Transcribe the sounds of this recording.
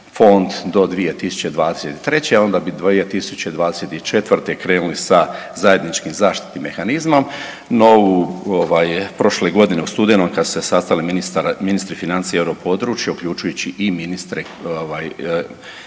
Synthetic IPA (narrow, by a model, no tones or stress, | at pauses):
fo̞nd̪d̪o̞d̪ʋije̞t̪isu̥t͡ɕed̪ʋaːd̪ese̞t̪i̥t̪ɾe̞t͡ɕeao̞nd̪abid̪ʋijet̪isut͡ɕed̪ʋaːd̪eset̪it͡ʃe̞t̪ʋrɾt̪ekɾe̞ːnulisa | zaje̞d̪nit͡ʃkimzaːʃt̪i̥t̪nimːe̞xanizmo̞m | no̞uoʋaːjpɾo̞ʃleɡo̞d̪ineust̪ud̪enomkad̪su̥sesast̪aliminist̪aɾminist̪ɾifinant̪sieevɾopo̞d̪ɾut͡ʃjeuklʎut͡ʃujut͡ɕiʔiminist̪ɾe | oʋaːj